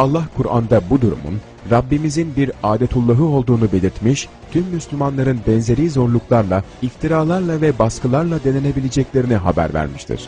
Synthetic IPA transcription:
alˠːahkʰuɾa̰nd̪abud̪uɾṵmṵn | ɾabːimizinbiɾaːd̪et̪ʰulˠːaɦɯo̞lˠd̪uːnube̞lʲiɾt̪miʃ | t̪ʰymːyslʲymanlˠaɾɯnbɛnze̞ɾiːzo̞ɾlˠuklˠaɾlˠa | ift̪ʰiɾaːlˠaɾlˠavɛbaskɯlˠaɾlˠad̪e̞ne̞ne̞bilʲed͡ʒɛclʲe̞ɾiniɦabæ̰ɾvæ̰ɾmiʃt̪ʰḭɾ̥

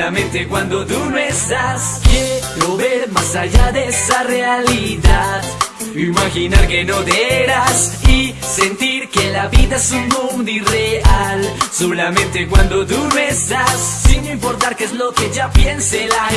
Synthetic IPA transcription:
amẽ̞nt̪e̞kwand̪o̞t̪unoest̪askeloβe̞ɾmasaʝaðe̞esare̞aliðað | imaxinaɾke̞no̞ðeeɾasi | se̞nt̪iɾke̞laβiðae̞sunmũnd̪oire̞alsolamẽ̞nt̪e̞kwand̪o̞t̪unoest̪asːinoimpo̞ɾt̪aɾkeezlo̞ke̞ʝapje̞nsela

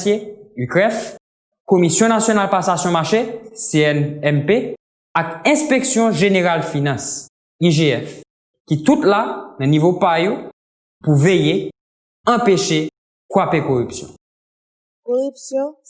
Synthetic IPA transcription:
sjeykʁɛf | komisjɔ̃nasjonalpasasjɔ̃maʁʃeseɛnɛnpe | akɛ̃speksjɔ̃ʒeneʁalfinɑ̃s | iʒeɛf | kit̪ut̪lanɐ̃nivopajo | puveje | ɑ̃peʃe | kwapekoʁypsjɔ̰̃ | koʁypsjɔ̃

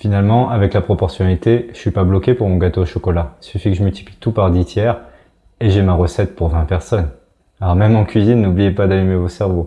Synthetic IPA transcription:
finalmɑ̃ʔavɛklapχɔpɔʁsjɔnalit̪eʒəsɥipablɔkʲepuʁmɔ̃ɡat̪oʃɔkɔlasyfikəʒəmylt̪i̥plit̪upaʁd̪it̪jɛːʁ | eʒemaʁəsɛt̪̚puʁvɛ̃pɛʁsɔn | aɔʁmɛmɑ̃kʲɥizinːublijepad̪alymevosɛʁvo

